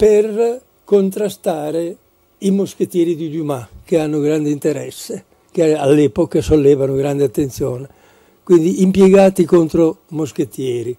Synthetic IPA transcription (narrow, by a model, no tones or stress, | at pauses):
per | kont̪ɾast̪aːɾe | imosket̪jɛːɾid̪id̪umak̟eanːoɡɾand̪eint̪eɾɛsːe | k̟ealːɛːpokasolːɛːvanoɡɾand̪eat̪ːent̪sjoːne | kwind̪iʔimpjeɡaːt̪ikont̪ɾomosket̪ːjɛːɾi